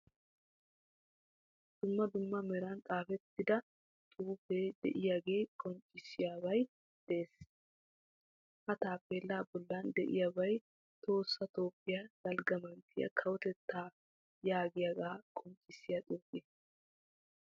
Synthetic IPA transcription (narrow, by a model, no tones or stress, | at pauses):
d̪̥ʊmːɐd̪ʊmːɐmɛɾɐnt̪ʼaːfɛt̪ːɪd̪ɐ | t̪ʼuːfeːd̪ɛ̰ʔɪjaːɡe̞ːkʼɔnt͡ʃʼːɪsɪjaːbɐj | d̪̥ɛʔeːs | hɐt̪aːpːeːlːaːbɔlːand̪ɛ̰ʔɪjabɐj | t̪ʰo̞ːsːɐt̪o̞ːpʼːɪjad̪̥ɐlɡɐmɐnt̪ʰɪjɐ̰kʰɐwɔt̪ɛt̪ːaː | jaːɡɪjɐɡaːkʼɔnt͡ʃʼːɪsɪjat̪ʼuːpeː